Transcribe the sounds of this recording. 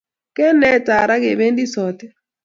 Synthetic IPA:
kɛ˦nɛ˦˨ta˨ɾa˦ke˨βe˦ndi˦sɔ˨tɛ˦

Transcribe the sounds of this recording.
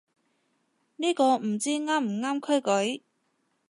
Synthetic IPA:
niː˥kɔː˧m̩˨˩t͡siː˥ŋaː˥m̩˨˩ŋaː˥mkʰɵ˥kɵ˨˥ɥ

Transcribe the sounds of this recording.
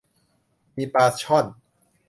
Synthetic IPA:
miː˧paː˧t͡ɕʰɔ˥˩n

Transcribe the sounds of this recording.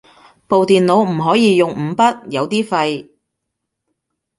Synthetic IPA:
po˨wt̪iː˨nlo˨˧˥wm̩˨˩ɦɔː˨˥jiː˨˧jʊ˨ŋm̩ː˨˧˥pɐ˥t̚jɐ˨˧wt̪iː˥fɐ˧j

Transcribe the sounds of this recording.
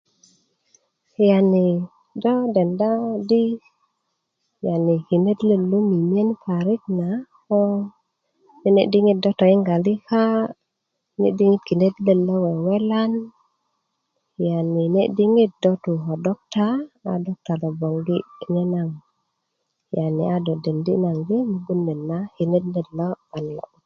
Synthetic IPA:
ja˨ni˨ | dɔ˦dɛ˨nda˦di˦ | ja˨ni˨ki˨ne˦dle˦lu˦mi˨mi˦e˦npʰa˨ɾi˦k̚na˨kɔ˦ | ni˦ne˦di˦ŋi˦t̚dɔ˦tɔ˨i˦ŋɡa˨li˦ka˦ | nḛ˦di˦ŋi˦t̚ki˨ne˦t̪le˨lːo˦we˨we˦la˦n | ja˨nːi˨ne˦ʔdi˦ŋi˦t̚do˦t̪u˨ɦo˨dɔ˦k̚ta˦a˨do˦k̚ta˨lo˨bo˨ŋɡi˦ne˦na˨ŋ | ja˨ni˨a˦do˨de˨ndi˦na˨ŋɡi˦mi˨ɡu˦nːe˨nːa˦hi˨ne˦dle˨o˦a˨nːo̰˨

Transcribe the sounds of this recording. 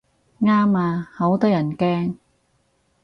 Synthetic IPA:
ŋaː˥maː˧ho˨˥wt̪ɔː˥jɐ˨˩nkɛː˥ŋ

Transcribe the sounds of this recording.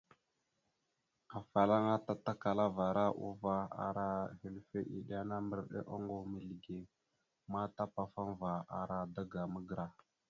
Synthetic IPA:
a˨fa˨la˦ŋa˦ta˨ta˦ka˨la˦va˨ɾa˦ʔṵ˦va˦a̰˨ɾa˦he˨lfe˦ʔḭ˨ɗa˦na˦mə˦ɾɗḛ˦ʔa̰˦ŋɡo˦mi˨lɡe˨ | ma˦ta˦pa˨fa˦ŋva˨a̰˨ɾa˦da˦ɡa˨mə˦ɡə˨ɾa˨

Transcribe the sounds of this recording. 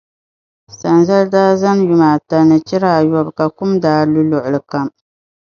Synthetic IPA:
sa˨nza˦ldaː˦za˦nju˨maː˨ta˨nɨ˨t͡ʃɪ˦ɾaː˦˨jɔ˦bka˨kʊ˦mdaː˦lʊ˦lʊ˨ʔʊ˨lɨ˨ka˦m

